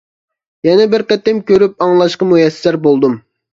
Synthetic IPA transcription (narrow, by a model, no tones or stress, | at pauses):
jɛnɛbɪɾqɛt̪ːɪmkʲʰøɾyp̚ɑŋlˠɑʃqɑmujɛsɪ̥sæɾbolˠd̪um